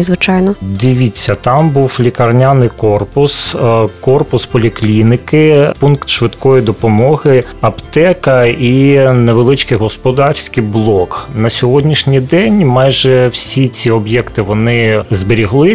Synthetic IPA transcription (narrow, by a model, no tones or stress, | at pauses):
ɪzʋɪt͡ʃajnɔd̪ɪʋʲit͡sʲːɐt̪ɑmbuwflʲikɐrnʲanɪjkɔrpʊskɔrpʊspɔlʲiklʲinɪkɪpunkt̪ʃʋɪd̪kɔjid̪ɔpɔmɔɦɪ | ɐpt̪ɛkɐineʋelˠɪt͡ʃkɪjɦɔspɔd̪ɑrʲsʲkɪjblˠɔknɐsʲɔɦɔdʲnʲiʃnʲijd̪ɛnʲmɑjʒɛwsʲit͡sʲiɔbjɛkt̪ɪʋɔnɪzbɪɾʲiɦlˠɪ